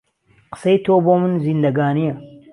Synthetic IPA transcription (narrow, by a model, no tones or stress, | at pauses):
qə̥sejt̪ʰoboːmɨnziːnd̪ɐɡaːnijɐ